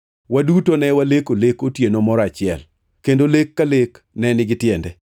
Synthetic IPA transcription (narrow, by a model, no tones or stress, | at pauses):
wadutonɛwalekolekotjenomɔɾat͡ʃɪɛ̰l | kendolekːalek | nɛnɪɡɪtjɛndɛ